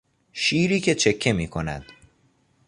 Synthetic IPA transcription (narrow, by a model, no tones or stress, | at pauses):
ʃiːɾiːcʰe̞t͡ʃʰe̞kʰːe̞miːkʰo̞næ̰d̪̥